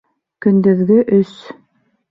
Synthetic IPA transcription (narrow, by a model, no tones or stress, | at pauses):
kɵ̆nd̪ɘ̆ðɡɘʔɵs